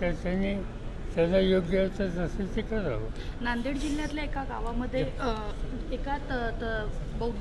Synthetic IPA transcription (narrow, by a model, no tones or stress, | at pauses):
t̪ataniː | t̪ad͡zajoɡjat͡sad͡zəset̪ikaɾa̰ɦonãnd̪iɽd͡ʑil̤ːjat̪ljaekaɡaʋaməd̪ʱːje | ekat̪t̪bəw